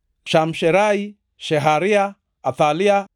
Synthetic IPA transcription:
ʃam̩ʃɛɾai | ʃɛɦaɾiaː | t̪alia

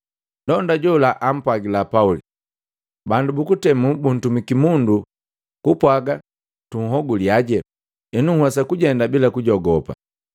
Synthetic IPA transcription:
ndɔndaɟɔlaʔam̩pwaɡilapauli | bandubukutɛmubun̩tumikimundu | kupwaɡa | tuŋ̩ɦɔɡuliaɟɛ | inuhwasakuɟɛndabilakuɟɔɡɔpa̰

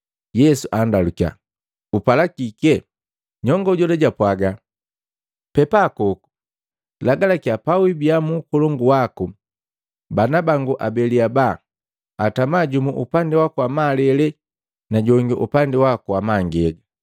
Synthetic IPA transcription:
jɛsuʔandaluka̰ | upalakikɛ | ɲɔŋɡɔuɟɔlɛɟapwaɡa | pɛpakɔku̥ | laɡalakiapawibiamuːkɔlɔŋɡuwaku | banabaŋɡuʔa̰bɛliaba | atamaɟumuʔupandɛwakuwamalɛlɛ | naɟɔŋɡɛ̰ʔupandɛwakuwamaŋɡɛɡa

